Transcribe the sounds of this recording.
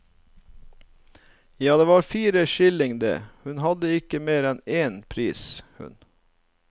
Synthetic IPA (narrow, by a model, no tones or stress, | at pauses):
jɑːd̪eːʋɑːɾfiːɾəʃɪlɪŋd̪ḛːhʉnhɑd̪əɪkəmeːɾɛneːnpʰɾiːshʉ̰n